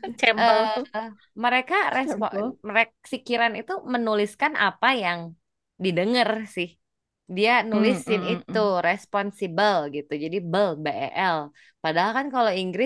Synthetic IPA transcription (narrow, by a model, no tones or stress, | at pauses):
t͡ʃɛməl | məɾekaɾesɔɾek̚sikiɾanit̪umənulɪskanʔa̰pajaŋ | didəŋərsɪh | dianulisɪnit̪uɾespɔnsibəlɡit̪ud͡ʒadibəlbeʔɛ̰ʔɛl | padaɦalkankaloiŋɡɾɪ